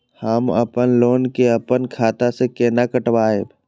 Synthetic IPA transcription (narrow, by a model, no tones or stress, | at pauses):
hamə̰pənloːnkeɐpənkʰaːt̪asekeːnakəʈwaːeb